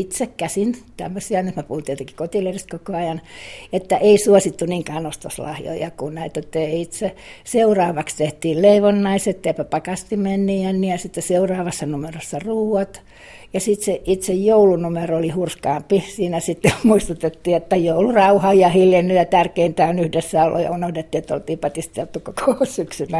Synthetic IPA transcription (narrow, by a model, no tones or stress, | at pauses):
it̪sekkæsint̪æ̰mːøsiɑnyt̪mepuhut̪ijot̪eki̥kot̪ilerist̪kokoɑjɑnet̪ːæʔeisuosit̪ːuniːŋkæːnost̪o̰slɑ̰hjo̰jɑ̰kunnæit̪ot̪ːeit̪seseurɑːʋɑkst̪eht̪iːlleiʋonːɑiset̪ːeipæpɑkɑst̪imenːiːænːijɑsit̪ːeseurɑːʋɑsːɑnumerosːɑruːwɑt̪ | jɑsit̪seʔit̪sejjoulunumeroolihurskɑːmpisiːnæsit̪ːemuist̪ut̪et̪ːiːet̪ːæjoulurɑuhɑjɑhiljenːyjɑt̪ærkeint̪æonyhdesːæolʔo̰jɑ̰unohdet̪ːiːet̪ːo̰lt̪iːpɑt̪ist̪elt̪ːukokʰossyksynːæ